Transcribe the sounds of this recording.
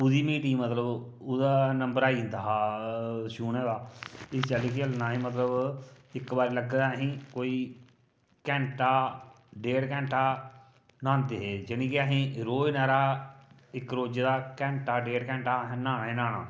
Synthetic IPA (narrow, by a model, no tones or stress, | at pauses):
ʊd̪iːmiːʈiːmət̪ləb | ʊd̪aːnəmbəɾaːiːnd̪aːɦaːʃuːnɛ̃ːd̪aːɪst͡ʃaliːkɪəlnaːɦĩːmət̪ləbɪkbaːɾeːləɡd̪aːɦĩːkoːiː | kɛ̃ːɳʈaː | ɖeːɽkɛ̃ːɳʈaː | naːnd̪eːɦeːd͡ʒɪɽĩːkɪaɦĩːɾoːinɛːɾaː | ɪkɾoːd͡ʒd̪aːkɛ̃ːɳʈaːɖeːɽkɛ̃ːɳʈaːnaːnːeːnaːɽaː